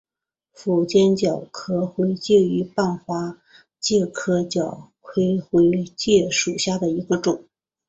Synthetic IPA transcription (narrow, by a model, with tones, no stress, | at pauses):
fu˨˩t͡ɕjɛ˥nt͡ɕjɑ˨˩ʊkʰɤ˥xwe˧˥ɪt͡ɕjɛ˥˩y˧˥pa˥˩nxwa˥ | t͡ɕjɛ˥˩kʰɤ˥t͡ɕjɑ˨˩ʊkʰwe˥ɪxwe˧˥ɪt͡ɕjɛ˥˩ʂu˨˩ɕja˥˩d̪ə˩i˧˥ɡə˧ʈ͡ʂʊ˨˩˦ŋ